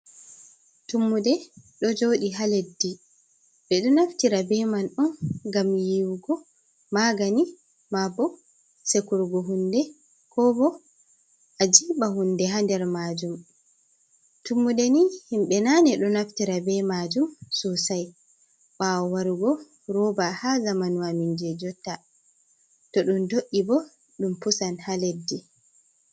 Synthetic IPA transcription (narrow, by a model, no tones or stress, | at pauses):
tumːudɛɗɔd͡ʒoɗiɦaledːi | ɓɛɗɔnaftiɾabɛmanɗɔnɡamjiwɡɔ | maɡani | mabːɔ | sekuɾɡɔɦundɛ | kɔbɔ | ʔad͡ʒiːɓahundɛɦandɛɾmaːd͡ʒum | tumːuɗenihimɓɛnanɛɗɔnaftiɾabɛmaːd͡ʒumsusaj | ɓawɔwaɾuɡɔ | ɾɔbahaːzamanwamind͡ʒɛd͡ʒɔtːa | tɔɗundoʔːibɔ | ɗumpusanhaledːi